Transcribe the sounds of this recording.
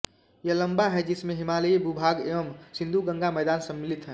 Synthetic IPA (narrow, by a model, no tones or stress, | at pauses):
jɐləmbaɦɛd͡ʒɪsmẽɦɪmaːləbubʱaːɡeʋəmsɪ̃nd̪ʱuɡə̃ŋɡamɛːd̪aːnsə̃mːɪlit̪ɦɛ̃ː